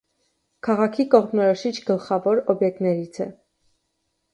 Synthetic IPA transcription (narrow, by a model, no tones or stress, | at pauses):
kʰɑʁɑkʰikɔʁmnɔɾɔʃit͡ʃʰɡəlχɑvɔɾɔbjɛk̚t̪nɛɾit͡sʰɛ̰